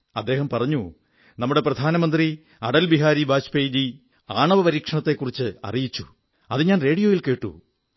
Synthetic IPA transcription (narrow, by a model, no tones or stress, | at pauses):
ɐd̪ːe̞ːɦɐmpɐrɐɲːu | nɐmːuɽe̞prɐd̪ʱaːnɐmɐnd̪ri | ɐɽɐlbiɦaːɾibaːt͡ɕpeːjd͡ʑi | aːɳɐʋɐpɐɾiːkʂɐɳɐt̪ːe̞kːurit͡ɕːɨɐ̰rijit͡ɕːu | ɐðɨɲaːnre̞ːɽijo̞ːjilke̞ːʈːṵ